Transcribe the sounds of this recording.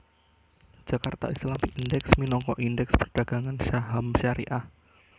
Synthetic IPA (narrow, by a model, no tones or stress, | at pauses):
d͡ʒ̥akart̪a̰ʔislamiindɛksminɔŋkɔʔindɛkspərd̥aɡ̥aŋanʃaɦamʃaɾḭʔah